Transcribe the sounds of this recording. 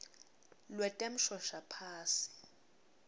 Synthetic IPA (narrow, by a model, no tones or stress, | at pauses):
lwɛtʼɛm̩ʃɔʃapʰaːsi̥